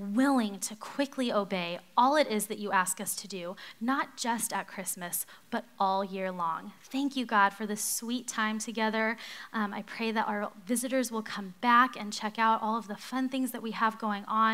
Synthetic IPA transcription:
wɪlˠɪ̃ŋtʰɨkʰw̥ɪkʰlioʊbeɪɔlˠɨɾɪzðɨt͡ʃɨʔæskʌstʰɨdʉnət̚d̥ʒ̥ʌstɨt̚kʰɹ̥ɪsmɨsb̥ʌɾʔɔlˠjɪɹlɔ̃ŋθæ̃ŋkjɨɡɑd̥fə˞ðɪswitʰãɪ̃mtʰɨɡɛðə˞ʔa̰ɪpʰɹ̥eɪðɨɾʔaʊə˞vɪzɨɾə˞zwəlˠkʰʌ̃mbækɨ̃nt͡ʃʰɛkaʊɾʔɔlˠʌvðəfʌ̃nθɪ̃ŋzðɨt̚wiəvɡoʊɪ̃ŋə̃

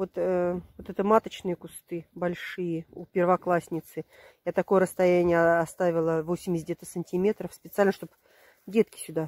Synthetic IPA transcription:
vot̪əot̪ɛt̪əmat̪ət͡ɕnɨjəkʊst̪ɨbɐlʲʂɨjəupʲɪrvɐklˠasʲnʲɪt̪sɨ | jat̪ɐko̞jəɾəst̪ɐjænʲɪjəɐst̪avʲɪlˠəvo̞sʲɪmʲɪsʲdʲet̪əsənʲtʲimʲe̞t̪ɾəfspʲɪt̪sɨalʲnəʂt̪op | dʲet̪̚kʲɪ̥sʲʊd̪a

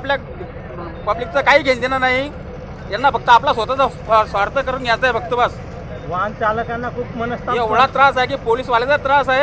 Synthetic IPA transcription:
aplja | pəblik̚t͡sakaɦiːɡʱẽnd̪inanaɦi | j̪anːabəɡ̚t̪əːplas̬ʋot̪at͡sa | asʋaɾt̪əkəɾuːnjat͡sd͡zaebək̚t̪əbas | ʋant͡ɕaləkanːakʰuːpmənəst̪aeʋɭat̪ɾas̬aɦek̬iːpoliːsʋaled͡zat̪ɾasaɦe

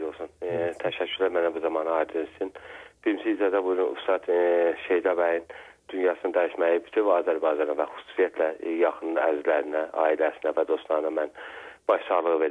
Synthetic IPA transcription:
olˠsunt̪ʰæʃæcʰːyɾlæmænæbuzɑmɑnɑɑɾd̪ɯnst̪ʰinb̥iɾimsiizzæd̪æbud͡ʒynṵst̪ɑt̪ʃejd̪ɑbæjin | d̪̥ynjɑːsɯnɯnd̪æiʃmæjibyt̪ʰynbɑːzæɾbɑjd͡ʒɑnɑvæxu̥su̥ːsijæt̪ʰlæjɑxɯnlˠɯæzlæɾinæʔɑ̰ːilæsinævæd̪o̞st̪lˠɑɾɯnɑmænb̥ɑʃsɑɣlˠɯɣɯve̞ɾi

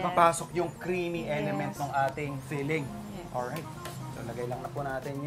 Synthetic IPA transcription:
paːpaːsok̚jʊŋkɾiːmiʔɛlɛmɛnt̪̚nʊŋʔaːt̪ɪŋfiːlɪŋ | ʔoɹajt̪̚ | so̰lɐɡɐjlɐŋnɐpʊnaːt̪ɪn

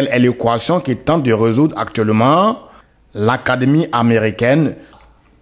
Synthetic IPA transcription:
ɛlɛlekwasjɔ̃kit̪ɑ̃t̪̚d̪əʁezud̪ʁa̰k̚t̪ɥɛlmɑ̃ | lakad̪emiʔameʁikɛn

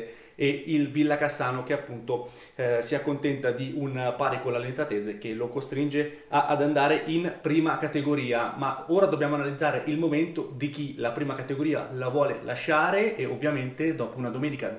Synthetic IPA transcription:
eilvilːakasaːnok̟eapːunt̪o | siakːont̪ɛnt̪ad̪iunpaɾikolalent̪ɾat̪ɛːzek̟elokost̪ɾind͡ʒe | aʔad̪and̪aːɾeʔinpɾiːmakat̪eɡoɾiːamaoːɾad̪objaːmoanalid̪zːaːɾeʔilmoment̪od̪ik̟ilapɾiːmakat̪eɡoɾiːa̰lavwɔːlḛla̰ʃːaːɾeeovːjament̪ed̪ɔːpounad̪omɛːnika

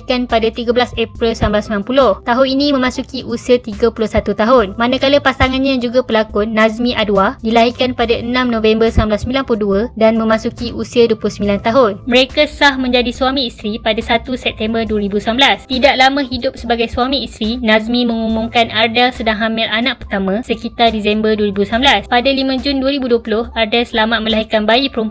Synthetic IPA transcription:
ikanpadat̪iɡablasɛpɾilsəlanblasəmilanpulʊht̪aɦʊninĩmə̃mãsukiʔusiat̪iɡapulʊhsat̪ut̪aɦʊnmanãkaləpasaŋanɲad͡ʒuɡapəlakʊnazmĩʔaduadilaɦikanpadaʔənãmnõvɛmbərsəamblasəmbilanplʊduədanmə̃mãsukiʔusiaduəpulʊhsəmilant̪aɦʊnməɾekasahmə̃ɲd͡ʒadiswamĩːst̪ɾipadasat̪usɛp̚t̪ɛmbərduəɾibusambəlast̪idaʔlamãɦidʊp̚səbaɡajsuamĩːst̪ɾinazmĩmə̃ŋumuŋkanardɛlsədaŋɦamɪlanãʔpərt̪amãsəkit̪ardisɛmbərduəɾibusambəlaspadalimãd͡ʒʊnduəɾibuduəpulʊhardɛlsəlamat̪̚mə̃laɦikanbaipəɾump

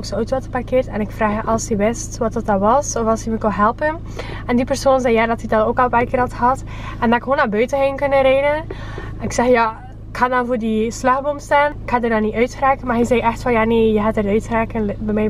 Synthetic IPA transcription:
oksoœɥtʋɑtəparkɪːrtɛnɪkfraːxjəʔɑlˠsiʋɪstʋɑtət̚dɑʋɑsɔfɑlˠsəməkoɦɛlˠpən | ɛndipərsoːnzɛjjaːdɑtidɑnoːkɔlˠpaːjkɪːɾɑtxəɦɑt | ɛndɑɪkwoːnaːbœɥtəɦeːnkɵnəɾejdən | ɪksɛxjaː | ɪkhaːndɑnvoːrdislaxbomstaːnɪkhaːdərdɑnːiœɥtxəraːkənmaːrɦɛjzɛjʔɛxtfɑnjaːneːjəɦaːtərœɥtxəraːkənbɛmɛj

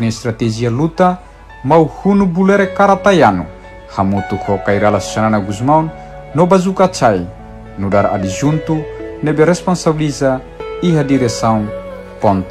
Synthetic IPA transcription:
nist̪ɾat̪ɛd͡ʒialut̪a | mauhunubulɛɾɛkaɾat̪ajanu | hamut̪ukɔkaiɾalast͡ʃananaɡuzmaunː | ɔbazukat͡ʃai | nudaɾa̰did͡ʒunt̪unɛbɛɾɛspɔnsabiliza | iɦadiɾɛsaun | pɔnt̪

